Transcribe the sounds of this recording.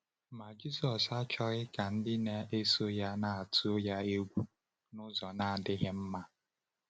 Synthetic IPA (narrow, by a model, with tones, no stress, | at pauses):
ma˨d͡ʒi˦sɔ˨sa˦t͡ʃɔ˦ɣɪ˦ka˨n̩˦dɪ˦ne˦e˦so˦ja˦na˨a˨tu˦o˦ja˦e˦ɡʷu˦ | nʊ˦zɔ˨na˨a˨dɪ˦ɣɪ˦m̩˦ma˦